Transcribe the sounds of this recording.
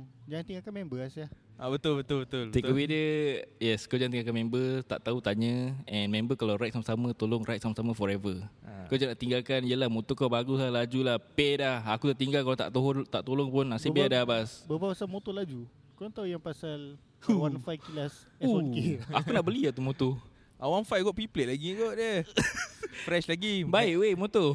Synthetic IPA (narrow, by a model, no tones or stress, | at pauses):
d͡ʒaŋant̪iŋakanmɛ̃mbəasja | abət̪ʊlbət̪ʊbət̪ʊlt̪ekkəwidəjɛskawd͡ʒãŋt̪iŋakanmɛ̃mbət̪a̰ʔt̪aut̪aɲə̃ɛ̃nmɛ̃mbəkalawɾajt̪̚saməsamə̃t̪olʊŋrajt̪̚samasamə̃fɔɾɛvəkad͡ʒaŋnaʔt̪iŋɡalkaniəlahmot̪ukawbaɡulalad͡ʒulahpɛdahakut̪aʔt̪iŋɡalkalawt̪a̰ʔt̪oɦt̪aʔt̪olɔŋpʊnasibɛdaabasbəbaasamot̪olad͡ʒu | kolaŋt̪aujaŋpasal | uwanfajkilas | ukeakunaʔbəliaʔt̪umõt̪u | ʔawanfajɡɔʔpipleʔlaɡiɡɔʔdə | fɾɛʃlaɡibaɪʔwemot̪o